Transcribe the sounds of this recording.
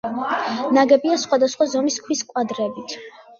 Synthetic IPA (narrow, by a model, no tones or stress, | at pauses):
naɡɛbiasχwad̪asχwazɔmiskʰwiskʼwad̪ɾɛbit̪ʰ